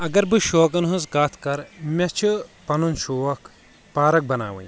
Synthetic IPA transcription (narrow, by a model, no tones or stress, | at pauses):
ɐɡɐɾbɨʃoːkɐnɦunzkaːt̪ʰkɐɾmʲɐt͡ʃʰɨpɐnunʃoːɐk | paːɾɐk̚bɐna̰ːʋɐ̰̃j